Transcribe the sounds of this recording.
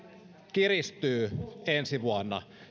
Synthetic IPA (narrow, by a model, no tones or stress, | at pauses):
kirist̪yːensiʋuɑnːɑ̰